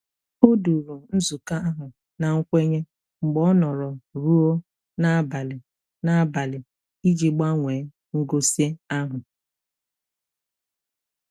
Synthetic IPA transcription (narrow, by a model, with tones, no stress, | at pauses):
o˦du˨ɾo˨n̩˦zu˨ka˦a˦ɦʊ˨ | na˨ŋ̩˦kʷe˦ɲe˦ | ŋ͡m̩˨ɡ͡bɔ˦nɔ˨ɾɔ˨ɾu˦o˦ | na˦a˦ba˨lɪ˨ | na˨a˨ba˨lɪ˨ | i˦d͡ʒi˨ɡ͡ba˦ŋʷe˨˦ | ŋ̩˦ɡo˦sje˦a˦ɦʊ˨